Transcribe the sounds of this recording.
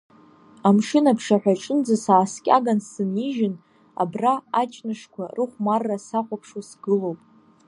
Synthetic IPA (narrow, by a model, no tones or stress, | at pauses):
amʂɨnapʰʂaħʷᶣaʈ͡ʂʼɨnd͡zɨsaːskʲʼa̰ɡansɨniʒɪn | a̰braat͡ʃʼnɨʂkʷʰarɨχʷmarːasaqʷʼapʰʂusɡɨlowpʼ